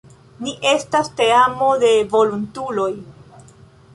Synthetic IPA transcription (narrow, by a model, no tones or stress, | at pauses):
niʔe̞staste̞amo̞de̞vo̞luntulo̞j